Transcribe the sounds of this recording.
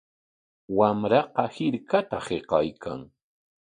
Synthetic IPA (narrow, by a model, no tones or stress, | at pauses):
wamɾɑqɑhɪɾkat̪aheqɑjkʰa̰ŋ